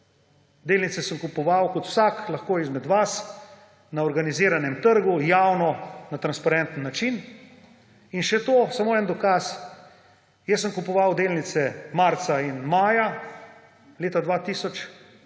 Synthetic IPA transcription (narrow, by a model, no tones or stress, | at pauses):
d̪eːlnit̪sɛsəmkupɔʋawkɔt̪w̥saklɐxkoːizmɛd̪ʋas | naɔɾɡaniziːɾanɛmt̪əɾɡujaːwnɔnat̪ɾanspaɾɛnt̪nːat͡ʃin | inʃɛt̪oːsamoːɛnd̪ɔkas | jɛs̬ːəmkupɔʋawd̪eːlnit̪sɛmaɾt̪sainmaːja | leːt̪ad̪ʋat̪isɔt͡ʃ